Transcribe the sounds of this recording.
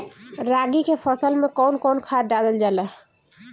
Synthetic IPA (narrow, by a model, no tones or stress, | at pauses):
ɾaɡikepʰəsəlmẽkɔːnkɔːnkʰaːɖad̪əld͡ʒaːləɦ